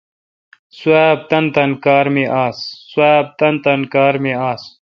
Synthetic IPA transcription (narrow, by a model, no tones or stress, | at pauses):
suaːb̚t̪ɐnt̪ɐnkaːɾmeːʔaːsːwaːb̚t̪ɐnt̪ɐnkaːɾmẽːaːs